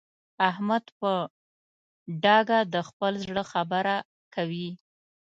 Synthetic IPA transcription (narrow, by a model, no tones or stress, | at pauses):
ahmad̪pə | ɖɑɡad̪əxpəlzɽəxabəɾa | kawi